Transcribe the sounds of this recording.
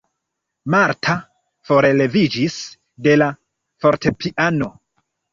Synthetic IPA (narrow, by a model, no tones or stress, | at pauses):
maɾtʰa | fo̞ɾe̞le̞vid͡ʒis | de̞la | fo̞ɾte̞pʰiʔano̞